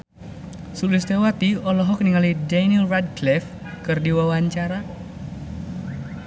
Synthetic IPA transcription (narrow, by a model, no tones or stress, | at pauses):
sulɪst̪ewat̪iɔlɔɦɔk̚niŋalidaniɛlrad̚klɛf | kɨrdiwawaɲt͡ʃaɾa